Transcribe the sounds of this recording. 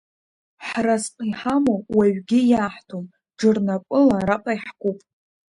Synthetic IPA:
ħrasqʼiħamowaɥɡʲɪjaːħtʰom | d͡ʒɨrnakʷʼʊlaɾaqʼaiħkʷupʼ

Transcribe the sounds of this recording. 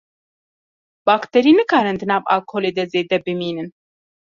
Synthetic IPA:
b̥aːkt̪ʰɛɾiːnɨkʰaːɾɨnd̪ɨnaːva̰lkʰoleːd̪ɛzeːd̪ɛbɨmiːnɨn

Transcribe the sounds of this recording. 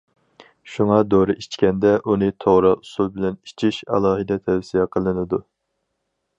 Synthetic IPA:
ʃuŋɑd̪oɾɨʔit͡ʃkʲɛnd̪ɛʔunɨt̪ʰoʁɾɑʔusulˠbɪlɛnit͡ʃʰiʃɑ̰lˠɑːɦɨd̪ɛt̪ʰɛwsijɛqʰəlˠɨnɨd̪u

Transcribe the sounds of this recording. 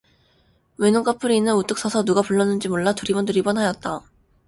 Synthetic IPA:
wenoŋk͈apʰɯɾinɯnut͈ɯks͈ʌsʰʌnuɡapuɭːʌnːɯnd͡ʑimoɭːatuɾibʌndɯɾibʌnɦajʌt̚t͈a

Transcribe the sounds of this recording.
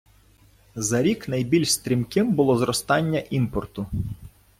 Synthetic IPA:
zɐɾʲiknɐjbʲilʲʃst̪ɾʲimkɪmbʊlˠɔzɾɔst̪ɑnʲːɐʔimpɔrt̪ʊ

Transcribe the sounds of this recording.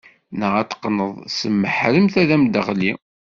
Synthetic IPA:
nəʁæt̪ːə̥qːnəðˤsəmːəħɾəmθæðæmd̪əʁli

